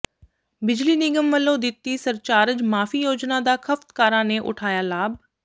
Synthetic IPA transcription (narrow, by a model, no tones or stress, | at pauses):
bɪd͡ʒliːnɪɡəmʋəlːõːd̪ɪt̪ːiːsəɾt͡ʃaːɾəd͡ʒmaːfʰiːjoːd͡ʒnaːd̪aːkʰəft̪kaːɾãːneːʔʊ̰ʈʰaːjaːlaːb̚